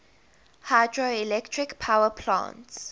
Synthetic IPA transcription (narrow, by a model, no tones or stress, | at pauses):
hadɹoilɛktʰɹikpʰawəpʰlã̰nts